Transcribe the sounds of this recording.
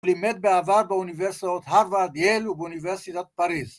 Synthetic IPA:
limet̪̚beavaɾbəuniveɾsot̪haɾvad̪jelubuniveɾsit̪at̪̚paɾiz

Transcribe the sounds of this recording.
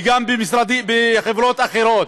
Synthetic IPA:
ɡambemisɾad̪ibeχevɾot̪aχeɾot̪

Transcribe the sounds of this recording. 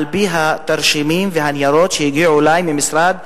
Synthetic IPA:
lbiɦat̪aɾʃimimveɦanjaɾo̞t̪ʃejiɡiʕulajmimisɾad̪

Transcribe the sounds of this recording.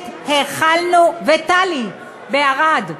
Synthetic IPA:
t̪heχalnuvet̪ali | beaʁad

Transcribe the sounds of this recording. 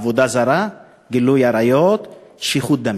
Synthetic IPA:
vod̪azaɾa | ɡilujaɾajot̪ʃiχut̪̚d̪am

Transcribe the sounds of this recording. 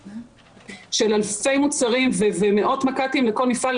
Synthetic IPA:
ʃe̞lalfe̞jmut͡saʁimveveme̞ʔo̞tmakatimleko̞lnifal

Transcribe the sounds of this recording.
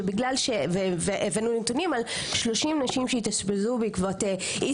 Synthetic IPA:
ebiɡlalʃeveveʔevenunet̪unimal | ʃlo̞ʃimnaʃimʃeit̪asbezubikvote | ʔi

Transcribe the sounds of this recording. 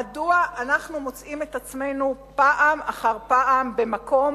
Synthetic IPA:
aduaʔanaχnumo̞t͡sʔime̞t̪at͡sme̞jnupaʔamaχaʁpaʔambemako̞m

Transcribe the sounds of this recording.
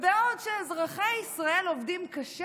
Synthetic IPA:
veodʃezʁaχeisʁae̞lovdimkaʃe

